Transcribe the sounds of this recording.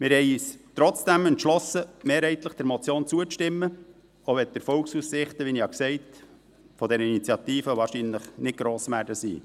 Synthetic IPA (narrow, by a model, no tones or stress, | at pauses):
mɪɾhɛɪiːst̪ɾɔt͡sd̥æmənt̪ʃlɔsːəmeːɾhɛɪt̪ləχd̥ɛɾmɔt͡sjoːnt͡suət͡sʃtɪmːə | oʋɛt̪̚d̥̪əɾfɔlksussɪχt̪əʋinihɑksɛɪt | fɔd̪ɛɾəinit͡sjɑt̪iːfəʋɑːɾʃinləχnɪt̚ɡ̥ɾoːsʋæːɾdəsḭː